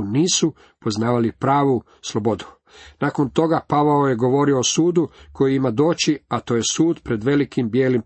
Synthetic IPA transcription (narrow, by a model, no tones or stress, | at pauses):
niːsu | po̞znaːʋalipɾaːʋu | slˠo̞bo̞d̪u̥ | naːko̞nt̪o̞ɡapaʋaoje̞ɡo̞ʋo̞ɾioosuːd̪uko̞jiimad̪o̞ːt͡ɕiat̪oje̞suːd̪pɾe̞d̪ʋe̞likimbjeːlim